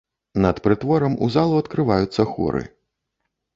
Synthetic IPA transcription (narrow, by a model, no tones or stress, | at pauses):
nɐt̪pɾɨt̪vɔɾɐmṵzalˠuɐt̪kɾɨvajut̪sːɐxɔ̰ɾɨ̰